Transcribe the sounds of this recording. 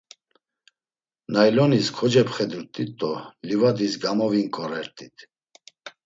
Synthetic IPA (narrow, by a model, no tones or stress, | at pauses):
najlɔniskʰɔd͡ʒɛpχɛd̪uɾt̪ʼit̪ʼːɔlivad̪isɡamɔviŋkʼɔɾɛɾt̪ʼit̪ʰ